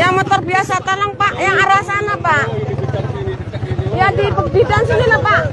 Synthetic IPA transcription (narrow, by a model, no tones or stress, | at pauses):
jaŋmət̪ərbiasat̪alaŋpaʔjaŋaɾasanapaʔ | jadipədidansinilapaʔ